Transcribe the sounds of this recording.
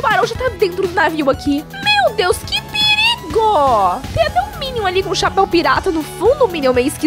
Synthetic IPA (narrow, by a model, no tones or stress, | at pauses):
ʊbaɾɐ̃w̃ʒat̪ad̪ẽnt̪ɾʊd̪ʊnaviwakʰi | mewd̪ewskɪpɪɾiɡʊt̪ẽj̃ɐt̪ɛʊ̃mĩnimʊalikõʃapɛw̃piɾat̪ɐnʊfũd̪ʊːmĩnĩmejwɪski